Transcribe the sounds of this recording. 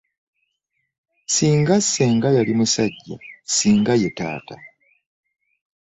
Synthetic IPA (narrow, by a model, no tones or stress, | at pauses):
siːŋɡasːe̞ːŋɡajalimusaɟːa̰siːŋɡaje̞ta̰ːta̰